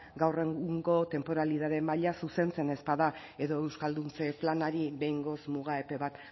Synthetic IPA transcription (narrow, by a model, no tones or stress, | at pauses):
ɡawre̞ŋɡuŋɡo̞t̪e̞mpo̞ɾalið̞aðe̞maʎasuse̞nt͡se̞ne̞spaða | e̞ðo̞e̞wskald̪unt͡se̞planaɾiɾe̞jŋɡo̞smuɣ̞ae̞pe̞βat̪